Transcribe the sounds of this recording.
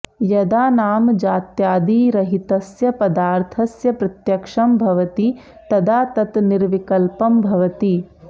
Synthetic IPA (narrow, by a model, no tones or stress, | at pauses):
jɐd̪aːnaːmd͡ʒaːt̪jaːd̪iːɾɐɦit̪ɐsjɐpɐd̪aːɾt̪ʰɐsjɐpɾɐt̪jɐkʂɐmbʱɐʋɐt̪i | t̪ɐd̪aːt̪ɐt̪niɾʋikɐlpɐmbʱɐʋɐt̪i